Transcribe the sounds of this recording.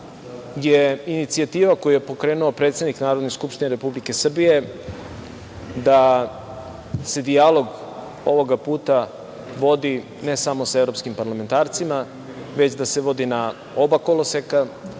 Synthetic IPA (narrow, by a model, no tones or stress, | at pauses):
jeinit̪siat̪iːʋako̞jujepo̞kɾeːnuopɾet̪sed̪niknaːɾo̞d̪neskupʃt̪ineɾe̞publike̞sr̩bije̞ | d̪a | se̞d̪ijalo̞ɡ | o̞ʋo̞ɡapuːt̪a | ʋo̞d̪i | ne̞samo̞saevɾo̞pskimpaɾlament̪aːɾt̪sima | ʋe̞t͡ɕd̪ase̞ʋo̞d̪ina | o̞bakoloseka